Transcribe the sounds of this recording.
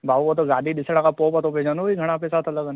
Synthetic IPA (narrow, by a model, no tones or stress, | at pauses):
bʱaːʋot̪̬oɡaːd̪id̪ɪsɽ̃ãkapoːpat̪õped͡ʒanobiɡʱɐɽ̃apesaːt̪ʰɐləɡan